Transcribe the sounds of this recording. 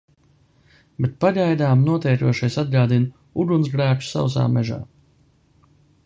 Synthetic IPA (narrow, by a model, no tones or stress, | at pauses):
bet̪̚paʎajd̪aːmnuɔt̪ɛjɾuɔʃajsad̪̚ɡaːd̪in | udunzɡɾæːt͡ʃu̥sa̰ws̬a̰ːmɛʒa̰ː